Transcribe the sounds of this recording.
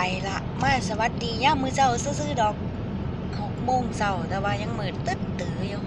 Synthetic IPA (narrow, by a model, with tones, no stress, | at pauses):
a˨˩jla˧ʔmaː˧˥˩sa˧wa˧˦t̪̚di˨˧˩ɲaː˧˥˨mːɯː˧˨sa˧˩wsɯː˧˥˨sɯː˧˥˨dɔː˨˩k̚ʰː | ɔː˨˦ŋmoː˧˩˨ŋsa˧˩wt̪ɛː˧˩waː˧˩ɲa˧˨ŋmɤː˨˦nt̪ɯ˧˥˩t̪t̪ɯː˨˦juː˧˩